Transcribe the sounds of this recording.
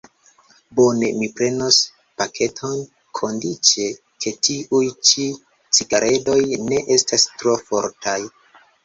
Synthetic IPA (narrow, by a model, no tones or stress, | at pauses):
bo̞ne̞mipɾe̞nos | pakʰe̞tʰo̞n | kʰo̞ndit͡ʃe̞ | kʰe̞tiʔujt͡ʃi | t͡siɡaɾʔe̞do̞jne̞ʔe̞stastɾo̞fo̞̰ɾtʰaj